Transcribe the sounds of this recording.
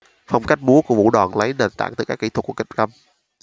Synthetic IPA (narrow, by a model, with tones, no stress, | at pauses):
fə˧wŋ͡mka˦˥jk̟̚ɓu˨˦əku˧əvṵ˧˩ɗaː˨˩nlə˨˦jɗe˨˩nt̪a̰ː˧˨ŋt̪ɨ˨˧˩kaː˦˥kːi˧˩t̪ʰwku˧˩ki˦˥k̚kə˧m